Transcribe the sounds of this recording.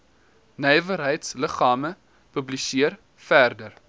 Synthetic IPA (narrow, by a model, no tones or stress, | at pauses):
nɛjvəɾɦəjtsləχɑːmə | pɵblisiər | færdər